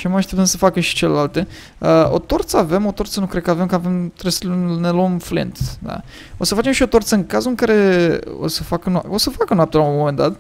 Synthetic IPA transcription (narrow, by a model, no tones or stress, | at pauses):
ʃiamaʃt̪ept̪ənsəfakəʃi̥t͡ʃe̞le̞̰lalt̪e̞ | əo̞̰t̪o̞rt̪səave̞mo̞t̪o̞rt̪sənukɾe̞d̪̚kəave̞mkave̞mt̪ɾeslunnelomflḭnt̪d̪a̰ | o̞səfat͡ʃe̞mʃio̞t̪o̞rt̪səɨŋkazuɨŋkaɾe̞o̰səfakəna̰o̞səfakənoapt̪elamːome̞nd̪at̪